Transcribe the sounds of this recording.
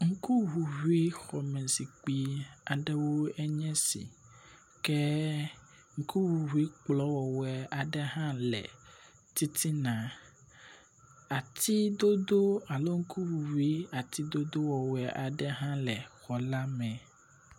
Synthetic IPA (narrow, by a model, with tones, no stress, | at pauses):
ŋ̩˦ku˦ɦu˨ɦu˦i˦xɔ˨mɛ̃˨si˨k͡pi˦a˨ɖɛ˦wo˦ɛ˦ɲɛ̃˦sḭ˨ | kɛ˦ | ŋ̩˦ku˦wu˨ɦu˦i˦k͡plɔ˦wɔ˨wɛ˨a˨ɖɛ˦ɦã˦lɛ̰˨ | t̪i˦t̪ʰi˦nã˨ | a˨t̪ʰi˦d̪o˦d̪o˦a˨lo˦ŋ̩˦kʰu˦wu˨wu˦i˦a˨t̪ʰi˦d̪o˦d̪o˦wɔ˨wɛ˨ʔa˨ɖɛ˦ɦã˦lɛ˨xɔ˨la˦mɛ̃˨